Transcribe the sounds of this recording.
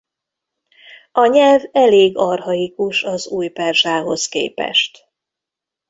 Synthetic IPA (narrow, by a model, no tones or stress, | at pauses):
ɒɲɛlvɛleːɡɒrɦɒikuʃɒzuːjpɛrʒaːɦo̞skḛːpɛ̰ʃt̪